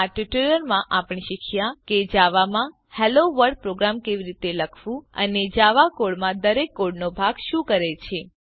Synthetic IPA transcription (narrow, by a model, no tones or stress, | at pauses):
aʈiʈuləɾmãʔapɳ̃iʃikʰjaked͡ʒaʋamã | heloʋəɾɖ̚pɾoɡɾamkeʋiɾit̪eləkʰʋũə̰ned͡ʒaʋakoɭmãd̪əɾekːoɽnobʱaɡʃũkəɾet͡ʃʰe